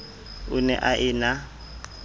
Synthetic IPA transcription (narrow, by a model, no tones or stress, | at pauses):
ʊnɛ̰ʔaʔɪːna